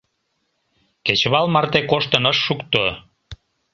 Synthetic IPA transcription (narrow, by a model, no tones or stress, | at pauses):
ket͡ɕβɑlmɑrt̪ekoʃt̪ənəʃːukt̪o